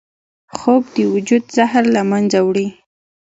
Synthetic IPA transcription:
xobd̪əwʊd͡ʒud̪zahɾlamanzawɽi

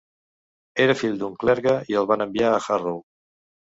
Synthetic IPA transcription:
eɾəfiʎd̪uŋklɛɾɣəiəlˠβanəmbiaːxarow

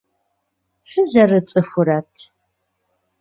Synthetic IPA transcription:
fɨzɐrɨt͡sʼɨxʷʊɾɐtʰ

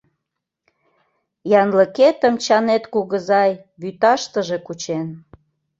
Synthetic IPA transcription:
jɑnləket̪əmt͡ɕɑnet̪kuɣəzɑj | βyt̪ɑʃt̪əʒekut͡ɕen

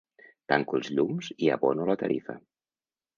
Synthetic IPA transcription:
t̪aŋkulˠzʎumziəβonulət̪əɾʔifə

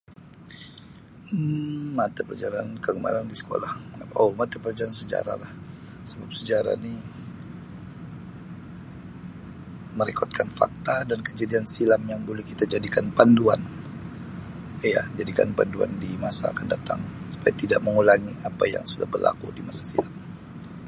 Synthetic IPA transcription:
mat̪apəd͡ʒaɾankəkəma̰ɾandisə̥ko̰lahŋapaʔomat̪apərd͡ʒaɾansəd͡ʒa̰ɾa̰lah | səbap̚səd͡ʒaɾa̰ni | məɾikʰɔt̪̚kʰanfa̰k̚t̪adankəd͡ʒadiansilamjaŋbolɛhkit̪ad͡ʒadikanpanduan | ja̰d͡ʒadika̰npa̰ndua̰ndimasa̰ːkandat̪aŋsu̥pajat̪idaʔməŋulaŋiʔapaja̰ŋsuda̰hbərlʔa̰kṵdimasḁsḭlam̚

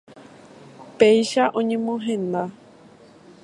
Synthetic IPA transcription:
pejʃaʔõɲẽmõɦẽ̞nd̪a

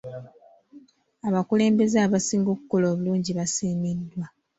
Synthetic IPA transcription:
aβakule̞ːmbe̞zeaβasiːŋɡo̞ːku̥ko̞lo̞ːβuluːɲɟiβasiːmidːwa

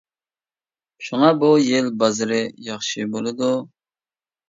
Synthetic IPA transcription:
ʃuŋɑbujelbɑzɨɾɨjɑχʃɨbolˠɨd̪u

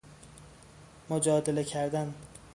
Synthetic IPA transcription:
mʊd͡ʒɒːd̪ɪlakʲʰaɾd̪an

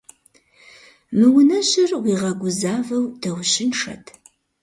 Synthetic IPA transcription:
mɨwʊnɐɕɪrwiːʁɐɡʷʊzaːvɐwd̥ɐwɕɪnʂɐ̰tʰ

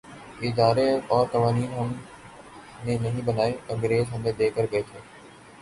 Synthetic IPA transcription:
ɪd̪aːɾeɔːɾt̪ɐʋaːniːnɦɐm | nẽnɐɦĩbɐnaːekɐ̃ŋɡɾeːzɦɐ̃md̪ed̪eːkəɾɡɐet̪ʰeː

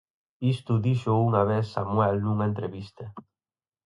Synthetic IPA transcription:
ist̪uðiʃouŋaβ̞eθːamuwɛlnuŋaent̪ɾeβist̪e

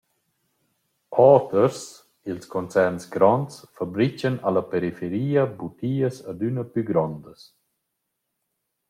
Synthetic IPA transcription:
ɔːt̪əɾs | ilskɔnt͡sɛɾnsɡɾɔnsfabɾit͡ʃənalapeɾifeɾiːəbut̪iːəsad̪ynəpyɡɾɔnd̪əs

